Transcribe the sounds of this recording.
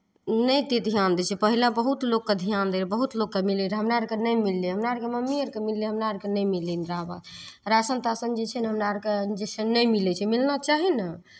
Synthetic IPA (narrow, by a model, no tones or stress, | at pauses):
nəjt̪ed̪ʱjand̪ɛt͡ʃʰɛpəɦilabəɦut̪lokːed̪ʱijand̪elebəɦut̪lokːemileɾɦəmɾaɾkenəjmilːeɦəmnaɾkeməmːiəɾkemilːeɦəmnaɾkenəjmilːinɾaba̰d̪ | ɾasənt̪asənd͡ʒet͡ʃʰɛnɦəmɾaɾked͡ʒesənəjmilɛt͡ʃʰɛmilnat͡ʃaɦina